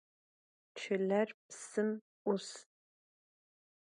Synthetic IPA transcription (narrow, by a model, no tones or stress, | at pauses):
t͡ʃʰɪɮɐrpsɨm | ʔʊs